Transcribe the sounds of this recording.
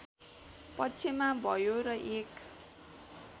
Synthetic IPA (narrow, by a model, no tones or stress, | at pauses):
pʌtːt͡sʰemabʱʌjoɾʌʔek